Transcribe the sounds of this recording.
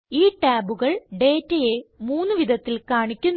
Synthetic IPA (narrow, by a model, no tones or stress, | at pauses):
iːʈaːbuɣɐɭɖeːtːɐjemuːnːɨʋid̪ʱɐt̪ːilkaːɳikʲːunː